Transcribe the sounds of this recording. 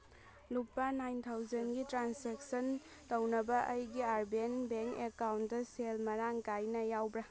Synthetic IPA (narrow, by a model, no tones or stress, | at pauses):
lupːanajnt̪ʰawd͡ʒɐnɡitɾansek̚sɐn | tɐwnɐbɐʔɐjɡiaɾbenbeŋkekawntdɐselmɐɾaŋkajnɐjawbɾɐ